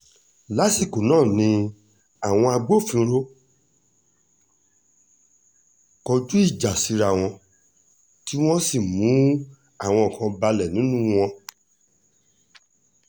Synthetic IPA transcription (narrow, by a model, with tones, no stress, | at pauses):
la˦si˦˨ko˨nãː˦˨nĩ˧ | a˦˨w̃ɔ̃˧a˧ɡ͡bo˦˨fĩ˨˧ɾo˦ | kɔ˧d͡ʒu˦i˦˨d͡ʒa˨si˨˧˦ɾa˨w̃ɔ̃˧ | ti˦w̃ɔ̃˦si˦˨mũ˨˦ | a˦˨w̃ɔ̃˧ɔ˨kã˧ba˧lɛ˨nĩ˨˦nũ˦w̃ɔ̃˧